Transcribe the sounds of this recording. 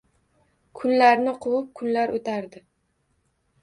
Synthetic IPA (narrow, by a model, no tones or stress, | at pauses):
kʰʊnlaɾnɪqʰʊlˠʊp̚kʰʊnlaɾʔot̪ʰaɾd̪ɪ